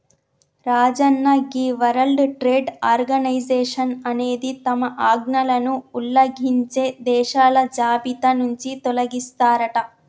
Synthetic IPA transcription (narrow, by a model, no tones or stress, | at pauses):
ɾaːd͡ʒɐnːɐɡiːʋɐɾɐlɖʈɾeːɖaːɾɡɐnɐjd͡ʒeːʂɐnɐne̞ːd̪it̪ɐmɐʔaːɡnɐlɐnuːlːɐɡʱiɲt͡ʃe̞ːd̪ɛːʃaːlɐd͡ʒaːbit̪ɐnuɲt͡ʃit̪ɔlɐɡist̪aːɾɐʈɐ